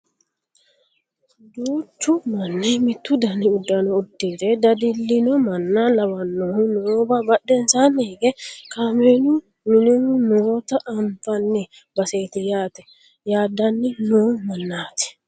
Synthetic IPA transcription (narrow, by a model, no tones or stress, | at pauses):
d̪uːtːʊmɐnːɛmɪt̪ːʊd̪ɐnɪʊd̪ːɐnɔʊd̪ːeːt̪ɛd̪ɐd̪ɪlːɪnɔmɐnːalɐwɐnːɔhʊnoːbabɐɗːɛnsaneːɡɛkaːmenu | nɪnhʊnoːt̪ɐʔːmfɐnːɪ | bɐseːt̪ɪjaːt̪ɛ̥ | jaːd̪ɐnːɪnoːmɐnːaːt̪ɛ̥